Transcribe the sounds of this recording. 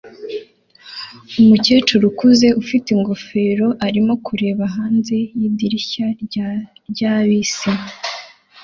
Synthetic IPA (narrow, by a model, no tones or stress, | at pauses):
umuce̞ːt͡ʃuɾukuze̞ʔufitiŋɡofe̞ːɾo̞ʔaɾimo̞kuɾe̞ːβaɦaːnze̞jiːbdiɾiça | ɾɟaːβiːsi